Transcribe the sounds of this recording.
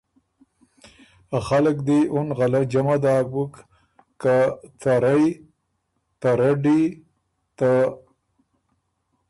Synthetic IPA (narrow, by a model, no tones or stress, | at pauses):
xaləkd̪iʔunɣalad͡ʒamad̪ɑːk̚bukː | at͡s̪aɾaj | t̪aɾaɖi | t̪a